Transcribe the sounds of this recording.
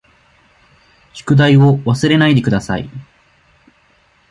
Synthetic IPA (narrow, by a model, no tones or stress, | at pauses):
ɕi̥kɯ̟d̪aio̞βasɨɾe̞naid̪e̞kɯ̟d̪asa̰ḭ